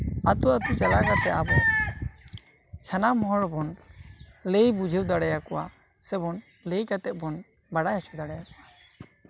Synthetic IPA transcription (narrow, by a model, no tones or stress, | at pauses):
at̪uat̪ut͡ʃalakat̪ɛʔabɔ | t͡ʃʰanamɔɦɔɽbɔn | lejbud͡ʒʱɛwd̪aɽajakɔwa | sɛbɔn | lejkat̪ɛt̪̚ˀbɔn | baɽahɛt͡ʃʰud̪aɽajakɔa